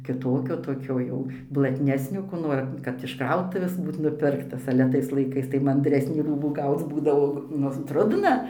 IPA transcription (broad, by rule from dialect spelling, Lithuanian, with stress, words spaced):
kʲɪˈtoːkʲoː toːˈkʲoː jɛʊ blˠɐtʲˈnʲæːsʲnʲoː koː ˈnoːr kɐt ɪʃ ˈkrɐʊtʊʋʲeːs ˈbuːt nʊˈpʲɪrktɐs ɐlʲɛ ˈtɐɪs lˠɐɪˈkɐɪs tɐɪ mɐnʲdʲˈrʲæːsʲnʲiː ˈruːbuː ˈɡɐʊt͡s ˈbuːdɐʋoː ˈnʊ ˈtrʊdnɐ